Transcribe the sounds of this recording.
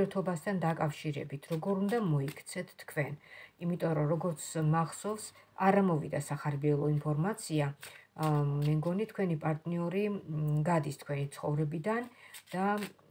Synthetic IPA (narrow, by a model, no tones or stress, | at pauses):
ɛt̪ʰɔbast̪ʰand̪akʼafʃiɾɛ̰bit̪ʰɾɔɡɔɾund̪amɔikʰt̪sʰɛt̪ʰːkʰwɛnimit̪ʼɔɾɔɾɔɡɔɾt̪sʰmaʁsɔvsaɾamɔvḭd̪asaχaɾbiɛlˠɔimpʰɔɾmat̪sʰia | mɛmɡɔnit̪ʰkʰwɛnipʼaɾt̪ʼniɔɾiɡad̪ist̪ʰkʰwɛnit̪sʰχɔvɾɛbid̪and̪̥a